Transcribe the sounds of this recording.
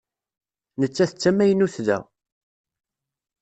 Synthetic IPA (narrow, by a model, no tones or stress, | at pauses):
nət͡sːæθət͡sːæmæjənuθðæ̰